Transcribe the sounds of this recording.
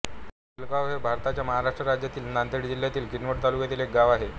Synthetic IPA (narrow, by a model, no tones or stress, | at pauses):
ilkaʋʋebʱaɾt̪at͡ɕjaməɦaɾaʂʈɾəɾad͡ʑjat̪iːlnant̪eɽd͡ʑiljat̪iːlkinʋəʈt̪alukjat̪iːlek̚ɡaʋaɦe